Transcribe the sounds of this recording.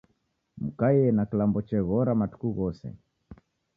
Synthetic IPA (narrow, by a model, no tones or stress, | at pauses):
m̩kajɛnakilambɔt͡ʃɛɣɔɾamatu̥kuɣɔsɛ̰